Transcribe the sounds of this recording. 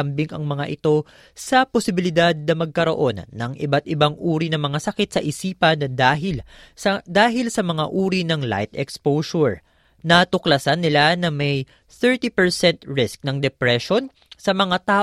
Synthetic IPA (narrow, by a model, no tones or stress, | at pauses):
ɐmbɪŋɐŋmɐŋaʔɪt̪o̞ | sɐposɪbɪlɪd̪ad̪̚nɐmɐɡ̚kɐɾo̞̰ʔo̞nːɐŋʔɪ̰bat̪̚ʔɪbaŋʔuːɾinɐmɐŋasɐkɪt̪sɐʔɪsiːpɐnɐd̪aːɦɪl | d̪aːɦɪlsɐmɐŋaʔuːɾinɐŋla̰jt̪ɛkspowʃoɹ | nɐt̪ʊklɐsanːɪlanɐmɐj | θɛɹt̪ipɛɹsɛnt̪ɹɪsk̚nɐŋd̪ɛpɾɛʃo̞n | sɐmɐŋat̪aː